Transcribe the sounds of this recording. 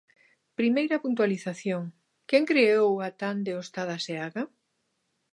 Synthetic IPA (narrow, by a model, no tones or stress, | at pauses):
pɾimejɾɐpunt̪waliθaθjoŋ | kɛŋkɾeowat̪and̪eost̪að̞aseaɣa